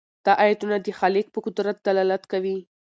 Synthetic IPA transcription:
d̪̥ɑʔajat̪unad̪əxɑlɪk̚pəkʊd̪ɾat̪̚d̪alɑlat̪kawi

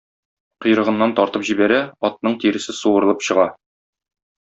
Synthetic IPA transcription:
qŏjɾɤ̆ʁɤ̆nːɑnt̪ɒɾt̪ɤpʑibæɾæɒt̪̚nɤɴt̪iɾɘ̆sɘsuwɤ̆ɾɤ̆lˠɤpɕɤ̆ʁɑ

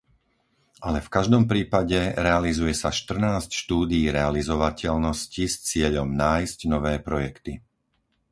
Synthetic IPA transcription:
ʔalɛfkaʒd̪ɔmpɾiːpaɟɛɾɛalizujɛsaʃt̪r̩naːscʃt̪uːd̪iːɾɛalizɔʋacɛʎnɔscist͡sɪɛʎɔmnaːjscnɔʋɛːpɾɔjɛkt̪i

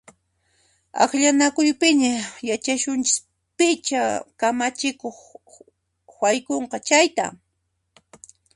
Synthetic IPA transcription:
ɑ̰χʎanakʊjpɪɲajat͡ʃaʃʊnt͡ʃɪs | pɪt͡ʃa̰kamat͡ʃɪkoχ | wajkoɴqɑt͡ʃajt̪a̰

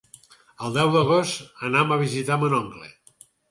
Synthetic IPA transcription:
əlˠd̪ɛwðəɣost̪ənaməβ̞izit̪amənɔŋɡlḛ

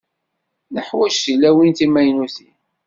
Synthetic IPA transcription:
nəħwæʃilæwint̪imæjnuθin

